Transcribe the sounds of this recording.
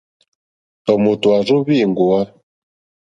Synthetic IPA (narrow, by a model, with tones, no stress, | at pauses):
tɔ˨mo˨tu˨a˨zo˦βi˦˨ŋɡu˨a˦